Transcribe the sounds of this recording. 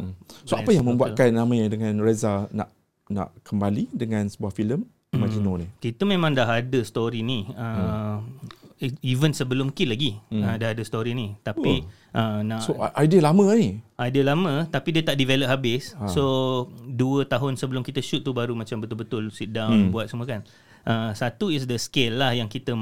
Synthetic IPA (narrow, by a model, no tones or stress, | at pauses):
soapajaŋmə̃mbuat̪kanːãmajadəŋãnrezana̰ʔ | na̰ʔkəmbalidəŋãnsəbuahfiləm | imad͡ʒinonikit̪əmẽmãŋdaɦadəst̪oɾiniə | ivənsəbəlʊmkɪnlaɡiə̃dahadəst̪oɾinit̪api | ʔənaʔsoʔajdiəlamə̃iʔajdiəlamə̃t̪apidiət̪aʔdivɛləp̚habɪssoduət̪aɦʊnsəbəlʊmkit̪əʃut̪̚ːubaɾumãt͡ʃambət̪ʊlbət̪ʊlsidaŋbuat̪səmuəkan | ʔəsat̪uisdəskelːahjaŋkit̪ə